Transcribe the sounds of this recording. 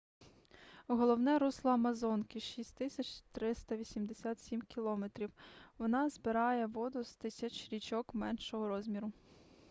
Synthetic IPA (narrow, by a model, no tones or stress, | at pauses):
ɦɔlˠɔwnɛɾuslˠɔɐmɐzɔnkɪʃisʲtʲt̪ɪsʲɐt͡ʃʲt̪ɾɪst̪ɐʋʲisʲimd̪esʲat̪sʲimkʲilˠɔmet̪ɾʲiwʋɔnɑzbɪɾɑjɛʋɔd̪ʊzt̪ɪsʲɐt͡ʃɾʲit͡ʃɔkmɛnʃɔɦɔɾɔzʲmʲiɾʊ